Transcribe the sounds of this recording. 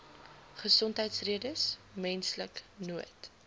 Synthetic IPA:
χəsɔntɦəjtsriədəsmɛnsləknuət

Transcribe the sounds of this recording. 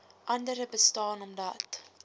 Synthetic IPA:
ʔɐndəɾəbəstɑːnɔmdɐt

